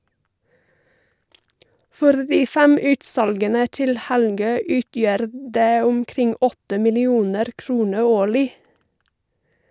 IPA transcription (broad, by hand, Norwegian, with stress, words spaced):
ˈfɔɾ ˈdiː ˈfæm ˈʉːtˌsɑlɡənə ˈtɪl ˈhælˌɡøː ˈʉːtjœɾ ˈdeː ʊmˈkɾɪŋ ˈɔtə mɪlɪˈuːnəɾ ˈkɾuːnə ˈoːɭɪ